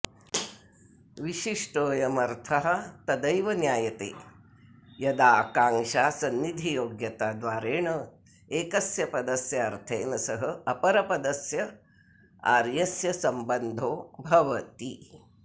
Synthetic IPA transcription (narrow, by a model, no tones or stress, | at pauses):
ʋiʃiʂʈoːjɐmɐɾt̪ʰɐɦɐ̆t̪ɐd̪ɐjʋɐnjaːjɐt̪ḛː | jɐd̪aːkaːŋʃaːsɐnːid̪ʱijoːɡjɐt̪aːd̪ʋaːɾeːɳɐ | eːkɐsjɐpɐd̪ɐsjɐɐɾt̪ʰeːnɐsɐɦɐɐpɐɾɐpɐd̪ɐsjɐ | a̰ːɾjɐsjɐsɐmbɐnd̪ʱoːbʱɐʋɐt̪i